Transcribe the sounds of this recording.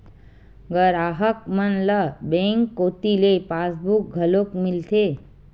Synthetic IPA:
ɡəɾaːɦək̚mənləbẽːŋkːoːt̪ilepaːsbuk̚ɡʱəlokmɪlt̪ʰeː

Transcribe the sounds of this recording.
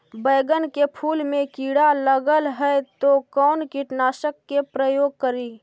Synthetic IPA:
bəːɡənkepʰuːlmẽkiːɽaləɡəlɦɛt̪okɔːnkɪʈnaːʃəkːepɾəjoːɡ̚kəɾiː

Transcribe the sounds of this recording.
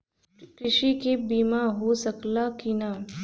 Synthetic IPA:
kɾɪʃikebiːmaɦosɐklakinaː

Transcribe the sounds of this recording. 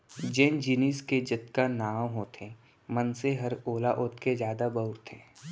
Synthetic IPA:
d͡ʒẽːnd͡ʒiːnisked͡ʒət̪kanaːwɦoːt̪ʰẽ | mənseɦɐɾoːlaʔʊt̪kezjaːd̪abəʊɾt̪ʰḛ̃ː

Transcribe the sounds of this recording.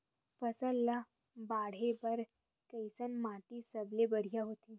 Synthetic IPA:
pɐsəlːa | baːɽ̤ebɐɾ | kəɪsənmaːʈisɐblebɐɽ̤ijaɦoːt̪iː

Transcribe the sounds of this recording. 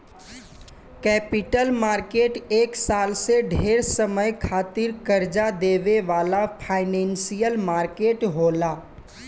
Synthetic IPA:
kɛːpɪʈəlmaːɾkeːʈeːksaːlseɖʱeːɾsəməjkʰaːt̪ɪɾkəɾd͡ʒad̪eːʋeʋaːlapʰaːɪnɛ̃ːnsijəlmaːɾkeːʈɦoːlaː

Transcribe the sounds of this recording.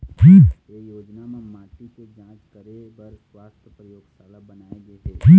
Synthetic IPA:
d͡ʒiː | ejoːd͡ʒnamẽmaːʈiked͡ʒãːt͡ʃkɐɾe | bəɾswaːst̪ʰjəpɾɐjoːɡsaːlabɐnaːeɡeed͡ʒiː

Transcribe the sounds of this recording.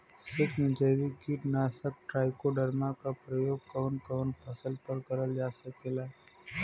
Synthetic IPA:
sɪkʰnɪd͡ʒəːʋikiʈnaːsək̚ʈɾaːɪkoɖəɾmakapɾəjoːɡ̚kɐʋnkəʋnpʰɐsəlpəɾkɐɾəld͡ʒaːsəkeːlaː

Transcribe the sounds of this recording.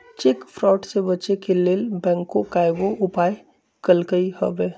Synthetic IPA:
t͡ʃɪkfɾɔːʈsebɐt͡ʃekeleːlbɛ̃ːŋkːokaːɪɡoʔʊpaːj | kəlkəihɐ̰ʋeː

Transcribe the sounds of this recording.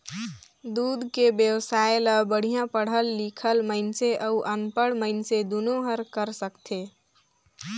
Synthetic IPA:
d̪uːd̪ʱkebjəwsaeləbəɽ̤ijãpəɽ̤əlːikʰəlməɪnseʔəuʔənpəɽməɪnsed̪unoɦəɾkəɾsəkt̪ʰe

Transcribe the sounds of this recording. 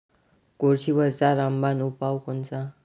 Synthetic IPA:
koɾsʰibəɾt͡saɾambanupawkɔnt͡sa

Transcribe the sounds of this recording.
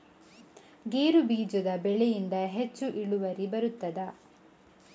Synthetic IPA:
ɡeːɾubiːd͡ʒɔd̪ɐbɛɭejind̪ɐɦet͡ʃːuʔiɭuʋɐɾibɐɾut̪ːɐd̪ɐ

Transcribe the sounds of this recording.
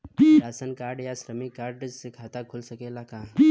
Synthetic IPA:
ɾaːsənkaːɾɖjaʃɾəmikaːɾɖsekʰaːt̪akʰʊlsɐkelakãː

